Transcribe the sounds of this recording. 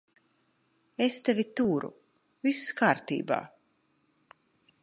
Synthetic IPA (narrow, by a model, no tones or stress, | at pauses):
est̪ɛvʲit̪uːɾṵ | viskaːɾt̪ḭːba̰ː